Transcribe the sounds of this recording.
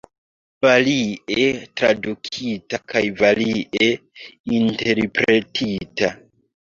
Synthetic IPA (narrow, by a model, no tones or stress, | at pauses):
valiʔetɾadukʰitakʰajvaliʔeinte̞ɾpɾetʰita